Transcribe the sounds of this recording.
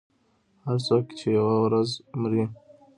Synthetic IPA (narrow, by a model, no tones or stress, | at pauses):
haɾt͡sɑki̥t͡ʃejawawɾazmɾi